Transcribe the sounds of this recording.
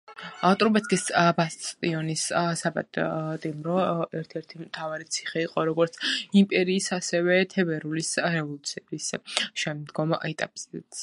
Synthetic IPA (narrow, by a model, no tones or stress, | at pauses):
at̪ʼɾubɛt̪skʼisbast̪ʼt̪ʼiɔnissaba̰d̪t̪ʼimɾɔɛɾt̪ʰɛɾt̪ʰimt̪ʰavaɾit̪sʰi̥χɛiqʼɔɾɔɡɔɾt̪sʰimpʼɛɾiːsasɛvɛt̪ʰɛbɛɾulisɾɛvɔlˠut̪sʰiɛbisʃɛmd̪ɡɔmɛt̪ʼapʼsit̪s